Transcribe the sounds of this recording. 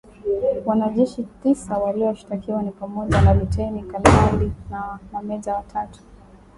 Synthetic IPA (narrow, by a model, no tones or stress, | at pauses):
wanaʄɛʃitisawaliɔʃi̥takiwanipamɔʄanalutɛinikamalinanamɛʄawatʰatu̥